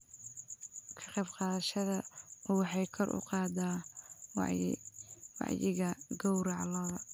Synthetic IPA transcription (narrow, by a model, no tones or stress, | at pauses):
kʰɐ̥qɛjbqɑːðɐʃɐðɐɔwɑħɑjkʰɔrʔʊ̰qɑːd̪aː | wɑ̰ʕjɪɣɐɡɔwɾɑʕɑlɔːðɐ